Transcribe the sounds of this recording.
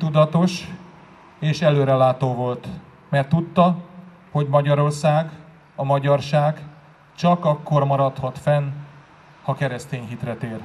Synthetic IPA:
t̪ud̪ɒt̪o̞ʃ | eːʃɛløːɾɛlaːt̪oːvo̞lt̪ | mɛrt̪ːut̪ːɒ | ho̞ɟmɒɟɒɾo̞rsaːɡ | ɒmɒɟɒrʃaːɡ | t͡ʃɒkɒkːo̞rmɒɾɒt̪hɒt̪fɛn | hɒkɛɾɛst̪eːɲɦit̪rɛt̪eːr

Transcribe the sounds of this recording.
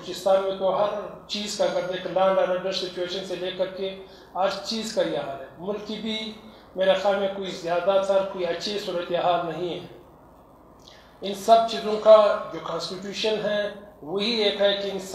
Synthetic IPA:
t͡ʃɪst̪aːnmẽt̪oɦɐɾt͡ʃiːzkaɐɡɐɾd̪eːkʰlãːɳɖaːɾɐɖəɾssɪt͡ʃueːʃənseleːkɐɾke | ɐɾt͡ʃiːzkaiaːɦalɦɛ̃mʊlkibʱi | meːɾexaːlmẽkoːizjaːd̪at̪ʰɐɾkoːiɐtːʃʰesuːɾət̪eɦaːlnɐɦĩɦɛ̃ː | ɪnsɐb̚t͡ʃiːzõkad͡ʒoːkãːnsʈiʈjuːʃənɦɛ̃wɐɦieːkɦɛkiɪns

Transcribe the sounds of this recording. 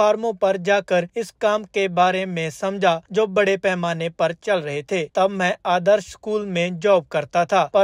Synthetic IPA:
aːɾmõpɐɾd͡ʒaːkəɾɪskaːmkebaːɾemẽsɐ̃md͡ʒʱad͡ʒoːbɐɽepɛːɦmaːnepɐɾt͡ʃɐlɾɐɦet̪ʰeːt̪ɐbmɛ̃aːd̪əɾʃkuːlmẽd͡ʒɔːb̚kɐɾt̪at̪ʰaːpɐ

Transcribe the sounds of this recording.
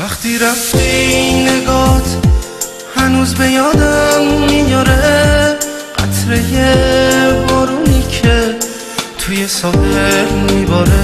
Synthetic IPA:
væχt̪ʰiːɾæft̪ʰeinːe̞ɡɒːt̪ʰ | hænuːzbe̞jɒːd̪æmːijɒːɾe | ɢ̥æ̰t̪ʰɾe̞je̞ | vɒːɾuːniːcʰe̞ | t̪ʰuje̞sɒːdeɾmibɒːɾe

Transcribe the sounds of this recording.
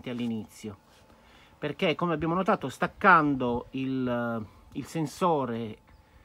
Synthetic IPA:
t̪ealːinit̪sːjo | perk̟ekːomeabːjaːmonot̪aːt̪ost̪akːand̪oil | ilsensoːɾe

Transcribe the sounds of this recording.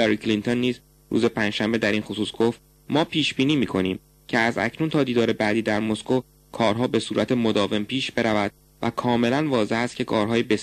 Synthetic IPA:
eɾiːkʰlint̪ʰo̞nːiːz | ɾṵːze̞pʰænd͡ʒʃæmbe̞d̪æɾinxosuːsɡ̥o̞ft̪ | mɒːpʰiːʃbiːniːmiːkʰo̞niːm | cʰe̞æzæ̰cʰnunt̪ʰɒːd̪iːd̪ɒːɾe̞bæːd̪iːd̪æɾmo̞sko | kʰɒːɾɦɒːbe̞suːɾæt̪ʰe̞mo̞d̪ɒːve̞mpiːʃbe̞ɾævæd̪̥̚ | væ̰kʰɒːme̞lænvɒːze̞hæst̪̚cʰe̞kʰɒːɾɦɒːjebe̞s

